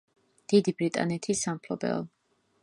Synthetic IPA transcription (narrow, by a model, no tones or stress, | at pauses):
d̪̥id̪ibɾit̪ʼa̰nɛt̪ʰisampʰlɔbɛ̰lˠ